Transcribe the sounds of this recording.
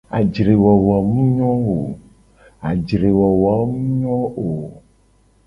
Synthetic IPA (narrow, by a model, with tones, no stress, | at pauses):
a˨d͡ʒɾe˨wɔ˨wɔ˨mũ˦ɲɔ̃˦o˨ | a˨d͡ʒɾe˨wɔ˨wɔ˨˦mũ˦ɲɔ̃˦o˨